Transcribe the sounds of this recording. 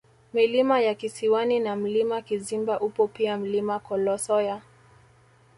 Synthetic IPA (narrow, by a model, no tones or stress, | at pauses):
milimajakisiwaninam̩limakizimbaʔupɔpiam̩limakɔlɔsɔja